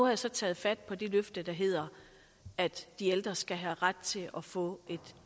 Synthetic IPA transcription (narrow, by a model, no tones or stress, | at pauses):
uhɑjäsɒ̽t͡sʰɛ̰ːð̩ˠfæd̥̚pʰɒ̽d̥e̝løfd̥əd̥ɑ̈ɦe̝ð̰ˠɐ | æd̥ːield̥ʁɐsɡ̥æɦæʁad̥̚t͡sʰe̝lɒfɔ̰̽ːʔe̝d̥